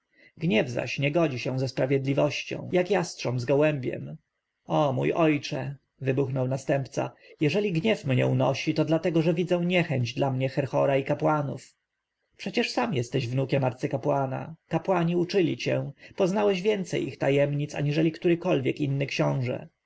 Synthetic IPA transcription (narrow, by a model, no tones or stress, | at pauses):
ɡɲɛvza̰ɕɲɛɡɔd͡ʑiɕɛ̃zɛspɾavʲjɛd̪lʲivɔɕt͡ɕɔ̰̃w̃jakjastʂɔmzɡɔwɛmbʲjɛ̰m | ɔmṵjɔjt͡ʂɛ | vɘbuxnɔwnast̪ɛmpt̪sa̰jɛʐɛlʲiɡɲɛfmɲɛ̰unɔɕit̪ɔd̪lat̪ɛɡɔʐɛvʲid̪zɛw̃ɲɛxɛɲd͡ʑd̪lamɲɛxɛɾxɔɾaikapwanṵf | pʂɛt͡ɕɛʂsamjɛst̪ɛʑvnukʲɛmaɾt̪sɘkapwana̰kapwaɲiut͡ʂɘlʲit͡ɕɛ̃pɔznawɛɕvʲjɛnt̪sɛjixt̪ajɛmɲit̪sa̰ɲiʐɛlʲikt̪uɾɘkɔlvʲjɛkinːɘkɕɔ̃w̃ʐɛ̰